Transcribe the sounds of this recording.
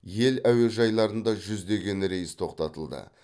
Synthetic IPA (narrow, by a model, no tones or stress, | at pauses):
je̞læwe̞ʒɑjlˠɑɾənd̪ɑʒʏzd̪e̞ɡʲe̞nɾe̞jɪst̪ʰo̞qt̪ɑt̪əlˠd̪ə̰